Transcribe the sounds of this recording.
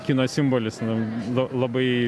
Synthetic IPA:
kʲinoːssʲɪmboːlʲɪslˠɐlˠɐbɐɪ

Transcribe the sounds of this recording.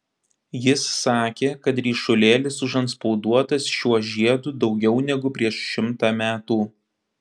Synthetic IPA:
jɪsːɑːkʲeːkɐt̪ɾʲiːʃʊlʲeːlʲɪsʊʒɐnt̪spɔʊd̪uɔt̪ɐsʃʲuɔʒʲiɛd̪uːd̪ɒʊɡʲɛʊnʲɛɡʊpʲɾʲiɛʃʃʲɪmt̪ɑːmʲæːt̪uː

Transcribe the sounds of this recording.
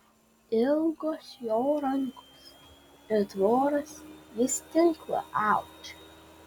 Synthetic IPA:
ɪlˠɡoːsjoːɾɐŋkʰoːs | ɪɾd̪ʋoːɾɐsjɪst̪ʲɪŋklˠɐ̰ʔɑʊkt͡ʃ

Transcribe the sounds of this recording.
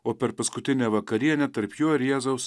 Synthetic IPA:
oːpʲɛɾpɐskʊt̪ʲɪnʲɛːʋɐkɐɾʲiɛnʲɛt̪ɐɾpjuːɪɾjeɛzɐʊs

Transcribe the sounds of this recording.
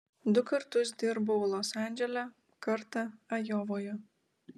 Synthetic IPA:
d̪ʊkɐɾt̪ʊsd̪ʲɪɾbolˠosɑnʲd͡ʒʲɛlʲɛ | kɐɾt̪ɐɐjoːʋoːjɔ

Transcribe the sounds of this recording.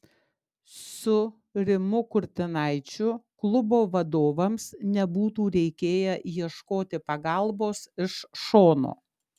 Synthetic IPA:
sʊ | ɾʲɪmʊkʊɾʲt̪ʲɪnɐɪt͡ʃʲʊklˠʊboːʋɐd̪oːʋɐmsnʲɛbuːt̪uːɾʲɛɪkʲeːjɛjiɛʃkoːt̪ʲɪpɐɡɑˑlˠboːsɪʃʃoːno̰ː

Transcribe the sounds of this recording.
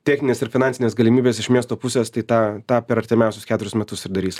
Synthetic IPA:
t̪ʲɛːxʲnʲɪnʲeːsɪɾfʲɪnɑnʲsʲɪnʲeːsɡɐlʲɪmʲiːbʲeːsɪʃmʲiɛst̪oːpʊsʲeːst̪ɐɪt̪ɑːt̪ɑːpʲɛɾɐɾʲt̪ʲɪmʲɛˑʊsʲʊskʲæːt̪ʊɾʲʊɪsmʲɛt̪ʊsɪɾd̪ɐɾʲiːs

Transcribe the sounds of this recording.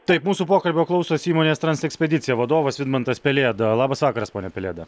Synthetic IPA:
t̪ɐɪpmuːsupoːkɐlʲbʲoːklˠɐʊsoːsiːmoːnʲeːst̪ɾɐnsɛksʲpʲɛdʲɪt̪ʲɪjɛʋɐd̪oːʋɐsʋʲɪd̪mɐnt̪ɐspʲɛlʲeːd̪ɐlˠɑːbɐsʋɑːkɐɾɐspoːnʲɛpʲɛlʲeːd̪ɐ

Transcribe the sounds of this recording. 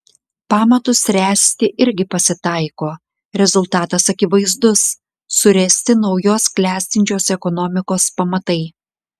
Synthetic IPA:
pɑːmɐt̪ʊsɾʲæːsʲt̪ʲɪʔɪɾʲɡʲɪpɐsʲɪt̪ɐˑɪkoː | ɾʲɛzʊlˠt̪ɑːt̪ɐsɐkʲɪʋɐɪzd̪ʊsː | ʊɾʲɛsʲt̪ʲɪnɒʊjoːsklʲæːsʲt̪ʲɪnʲt͡ʃʲoːsɛkɔnɔmʲɪkoːspɐmɐt̪ɐɪ

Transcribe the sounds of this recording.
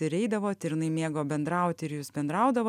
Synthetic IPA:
ɪɾʲɛɪd̪ɐʋoːt̪ʲɪɾʲɪnɐɪmʲeːɡoːbʲɛnd̪ɾɐˑʊt̪ʲɪɪɾjuːsbʲɛnd̪ɾɐʊd̪ɐʋoː

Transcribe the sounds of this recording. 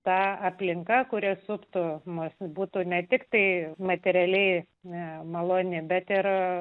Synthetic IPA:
t̪ɑːɐpʲlʲɪŋkɐkʊɾʲɪsʊpt̪ʊmosbuːt̪uːnʲɛt̪ʲɪkt̪ɐɪmɐt̪ʲɛɾʲɛlʲɛɪ | mɐlˠoːnʲɪbʲɛt̪ɪr

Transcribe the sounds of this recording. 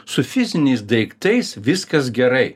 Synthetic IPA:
sʊfʲɪzʲɪnʲɛɪsd̪ɐɪkt̪ɐɪsʋʲɪskɐs̬ɡʲɛɾɐɪ

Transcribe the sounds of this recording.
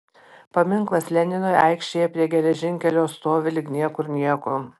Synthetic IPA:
pɐmʲɪŋklˠɐslʲɛnʲɪnoːjɐɪkʃʲt͡ʃʲeːjɛpʲɾʲiɛɡʲɛlʲɛʒʲɪŋʲkʲɛlʲoːst̪oːʋʲɪlʲɪknʲiɛkʊɾnʲiɛkʊ

